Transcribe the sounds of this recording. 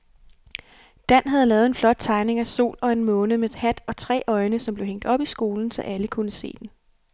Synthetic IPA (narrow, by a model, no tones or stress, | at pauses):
d̥æn̰ɦæð̞̩ˠlɛːð̩ˠe̝nflɒ̽d̥̚t͡sʰɑ̈ɪne̝ŋæso̝̰ːlɒ̽e̝nmɔ̽ːnəmed̥hæd̥ɒ̽t͡sʰʁɛ̰ːʔɒ̽ɪnəsɒ̽mble̝ʊeŋ̰d̥ɒ̽b̥isɡ̥o̝ːln̩sɒ̽ʔæləkʰunəse̝̰ːd̥en